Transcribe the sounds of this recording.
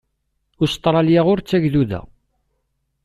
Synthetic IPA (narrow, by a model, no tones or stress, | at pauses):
ʊst̪ˤːɾˤɑljæʁʊɾt͡sːæʝðuðæ̰